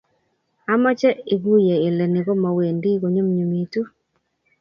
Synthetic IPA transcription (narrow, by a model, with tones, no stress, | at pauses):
a˦mɔ˦t͡ʃɛ˦i˨ɡu˦je˨ɪ˨lɛ˨nɪ˨ɡo˦ma˨we˨ndi˦ɡo˨ɲo˦mɲo˨mi˨tu˦